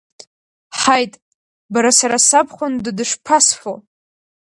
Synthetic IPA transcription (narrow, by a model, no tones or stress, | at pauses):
ħajtʼ | baɾasaɾasapʰχʷʊndɨdɨʂpʰasfo